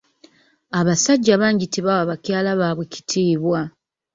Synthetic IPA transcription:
aβasaɟːaβaːɲɟiteβawaβacjaːlaβaːβwe̞ci̥tʰiːβwa

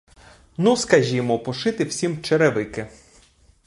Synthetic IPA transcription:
nuskɐʒʲimɔpɔʃɪt̪ɪw̥sʲimt͡ʃeɾeʋɪkɪ

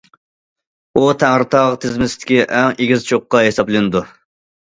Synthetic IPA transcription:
ut̪ʰæŋɾɨt̪ʰɑʁt̪ʰɪzmɪsɪt̪ʰɪ̥kʲiʔɛŋeɡʲizt͡ʃʰoqːɑɦesɑplˠɨnɨd̪u

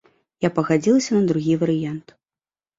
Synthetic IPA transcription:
japɐɣad͡zʲilˠɐsʲɐnɐd̪ɾuɣʲivɐɾɨjant̪

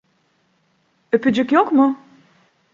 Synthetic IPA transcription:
øpʰyd͡ʒykjokmʊ

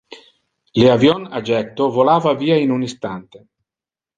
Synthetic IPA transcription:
leavjonad͡ʒɛt̪ːovolaːvaviːainunist̪ant̪e

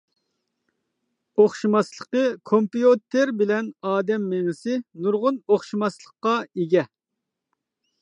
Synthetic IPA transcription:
oχʃimɑslˠəqəkʰompijot̪ʰeɾbɪlɛnɑːd̪ɛmːeŋɪsɪnuɾʁʊnoχʃimɑslˠəqːɑeɡʲɛ

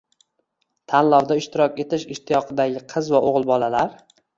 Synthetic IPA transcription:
t̪ʰanlˠɒwd̪aɪʃt̪ɪɾɒkʲe̞t̪ʰɪʃɪʃt̪ʰːɪjɒqʰɨd̪aɡʲɪqʰɨzvaʔoʁlˠbɒlalaɾ

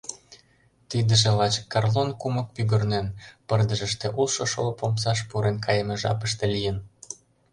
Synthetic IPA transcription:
t̪id̪əʒĕlɑt͡ɕkːɑrlonkumə̆k̚pyɣə̆rnenpərd̪ə̆ʒə̆ʃt̪ĕʔulˠʃoʃolopomsɑʃ̬puɾenkʰɑjəmeʒɑ̰pəʃt̪ĕlijən

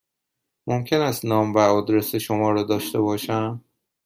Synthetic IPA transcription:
momcʲʰe̞næst̪nɒːmvæɒːd̪ɾe̞seʃomɒːɾɒːd̪ɒːʃt̪e̞bɒːʃæm

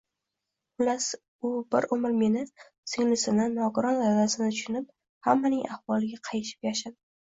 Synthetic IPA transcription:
ʊlas | ʊbɪɾʊmɪɾme̞nɪ | sɪŋlɪsɪnɪnɒɡʊɾɒnad̪asɪnɪt̪ʰʊʃʊnɪp̚ | hamːanɪŋʔahvɒlˠɪɡʲaqʰɑjɪʃɪ̥pjaʃad̪ɪ

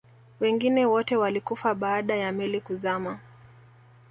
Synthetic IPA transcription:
wɛŋɡinɛwɔtɛwalikufaɓaːɗajamɛlikuzama

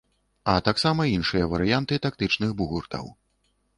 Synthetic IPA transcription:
ɐt̪aksamɐinʂɨjɐvɐɾɨjant̪ɨt̪ak̚t̪ɨt͡ʂnɨxbuɣurt̪ɐ̰w

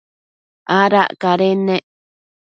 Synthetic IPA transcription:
ʔaɾaʔkaɾenẽʔ

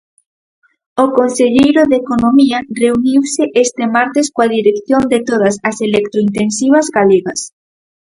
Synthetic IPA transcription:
okonseʎejɾʊðekonomiɐreuniwsɪʔest̪ɪmaɾt̪ɪskoaðiɾekθjond̪et̪oðɐsɐselekt̪ɾoint̪ensiβ̞ɐzɣaleɣɐs

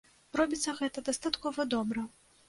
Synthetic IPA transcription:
ɾɔbʲit̪sːɐɣɛt̪ɐd̪ɐst̪at̪kɔvɐd̪ɔbɾɐ

